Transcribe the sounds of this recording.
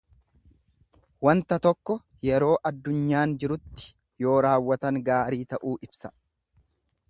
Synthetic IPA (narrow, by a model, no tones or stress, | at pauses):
wɐnt̪ɐt̪ɔkːɔ | jɛɾo̞ːʔɐd̪ːʊɲːaːnd͡ʒɪɾʊt̪ːɪ̥ | jo̞ːɾaːwːɐt̪ɐŋɡaːɾiːt̪ɐʔuːʔɪb̥sɐ̥